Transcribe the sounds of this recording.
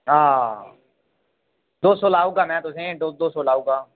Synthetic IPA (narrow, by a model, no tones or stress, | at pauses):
ɦaː | d̪oːsoːlaːuːɡaːmɛ̃ːt̪ʊsẽːd̪oːd̪oːsoːlaːuːɡaː